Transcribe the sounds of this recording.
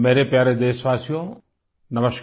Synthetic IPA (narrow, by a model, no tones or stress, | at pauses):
meːɾepjaːɾed̪eːsʋaːsjõ | nɐməʃk